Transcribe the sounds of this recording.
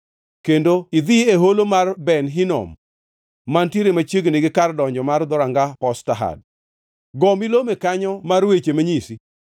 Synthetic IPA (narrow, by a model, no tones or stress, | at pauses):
kendoid̪ieɦolomarbɛnɦinɔ̰mː | antiɾemat͡ʃjeɡniɡɪkardɔɲd͡ʒɔmard̪ɔɾaŋɡapɔstaɦa̰d̚ | ɡɔmilomekaɲɔmarwet͡ʃemaɲisi